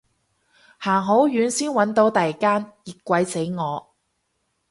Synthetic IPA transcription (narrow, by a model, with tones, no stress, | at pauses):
haː˨˩ŋɦo˨˥wjyː˨˥nsiː˥nwɐ˨˥nt̪o˨˥wt̪ɐ˨jkaː˥njiː˨t̚kʷɐ˨˧jse˨˥jŋɔː˨˧